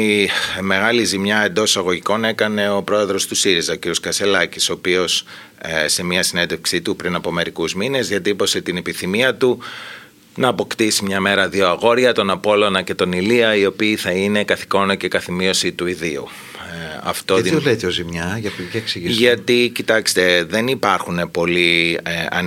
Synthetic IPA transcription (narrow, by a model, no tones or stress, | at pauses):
ime̞ɣɐlizimɲɐe̞nd̪o̞sɐɣo̞ʝiko̞ne̞kɐne̞o̞pɾo̞e̞ðɾo̞st̪usiɾizɐociɾio̞skɐse̞lɐciso̞ːpio̞s | se̞miɐsine̞nd̪e̞fksit̪upɾinɐpo̞me̞ɾikuzmine̞zðiɐt̪ipo̞set̪inepiθimiɐt̪u | nɐːpo̞kt̪isimɲɐme̞ɾɐðio̞ɐɣo̞ɾʝɐt̪o̞nɐpo̞lo̞nɐce̞t̪o̞niliɐio̞piːθɐine̞kɐθi̥ko̞noce̞kɐθimio̞sit̪uiðiṵ | ɐ̰ft̪o̞ðolet̪eozimɲɐʝɐpcɐeksiʝiʝɐt̪icit̪ɐkst̪e̞ðe̞nipɐɾxune̞po̞liɐ̰